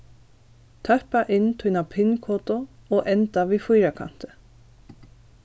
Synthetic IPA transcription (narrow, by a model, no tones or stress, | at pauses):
t̪ʰœhpɑʔɪnt̪ʰʊnapʰɪnkʰoːt̪ʊoːʔɛnt̪ɑʋiːfʊjɾakʰɑ̰n̥t̪ə̥